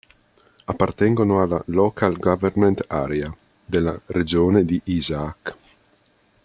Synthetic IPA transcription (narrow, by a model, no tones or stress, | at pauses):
apːart̪ɛŋɡonoalːalɔkʰalɡavɛrment̪a̰ːɾea | d̪elːaɾed͡ʒoːned̪iʔizaːk